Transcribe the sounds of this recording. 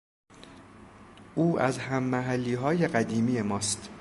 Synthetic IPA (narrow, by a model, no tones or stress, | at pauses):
ʔuːʔæzhæmːæɦælːiːɦɒːje̞ɢæd̪iːmiːje̞mɒːst̪